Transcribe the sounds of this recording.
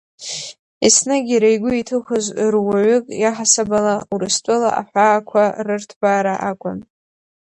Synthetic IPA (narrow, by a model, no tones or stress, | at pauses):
isnɨɡʲiɾajɡʷʊitʰɨχɨzrwaʕʏkʼjaħasabalauɾɨstʷʼʊla̰ʔa̰ħʷaːkʷʰarɨrtʰbaːɾaʔakʷʼʊn